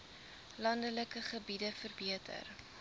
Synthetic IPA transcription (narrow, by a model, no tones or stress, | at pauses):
lɐndələkəχəbidəfərbiətʰə̰r